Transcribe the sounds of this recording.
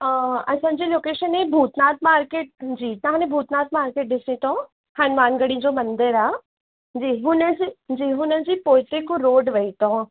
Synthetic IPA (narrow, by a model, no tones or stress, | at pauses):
ɐsʰãːd͡ʑiloːkeːʃənɦebʱuːt̪naːt̪̚maːɾkeːʈ̚d͡ʑiːt̪ɐʋãːnẽbʱuːt̪naːt̪maːɾkeːʈ̚ɗɪsĩt̪ʰõ | hɐnʋaːnɡəɽĩd͡ʑoːmɐ̃nd̪əɾaː | d͡ʑiːɦʊnəd͡ʑid͡ʑiːɦʊnəd͡ʑiːpoːɪt̪ekõɾoːɖʋɐit̪ʰõː